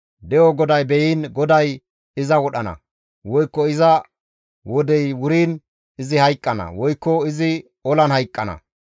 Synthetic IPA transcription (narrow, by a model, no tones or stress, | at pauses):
d̪ɛjɔɡɔd̪ɐjbɛjiːnɡɔd̪ɐj | ɪzɐwɔɗɐnɐ̰ | wɔjkːɔɪzɐ | wɔd̪ɛjwʊɾiːn | ɪzɪhɐjkʼːɐnɐ̰wɔjkːɔɪzɪ | ɔlɐnhɐjkʼːɐnɐ̰